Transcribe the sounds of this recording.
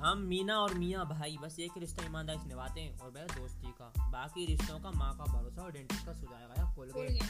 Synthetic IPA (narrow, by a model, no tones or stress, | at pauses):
ɦɐmːiːnaɔːɾmiːjabʱaːibɐseːkɾɪʃt̪aɪmaːnd̪aːɾiʃnɪʋaːt̪ẽɦɛ̃ʔɔːɾbɛːd̪oːst̪iːkaːbaːkiɾɪʃt̪õkamãːkabʱɐɾoːsaɔɾɖẽːɳʈɪskasʊd͡ʒaːjaɡəjakoːlɡɐ